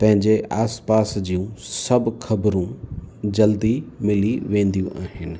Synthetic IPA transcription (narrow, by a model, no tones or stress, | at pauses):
pɐ̃ɦɪ̃ɲd͡ʑeʔaːspaːsd͡ʑiːũsɐbxʰɐbɾũd͡ʑɐld̪imɪliʋẽːnd̪ijũʔaːɦɪnɪ̆